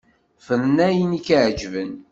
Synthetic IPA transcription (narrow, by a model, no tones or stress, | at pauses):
fəɾənæjənikːʕd͡ʒvən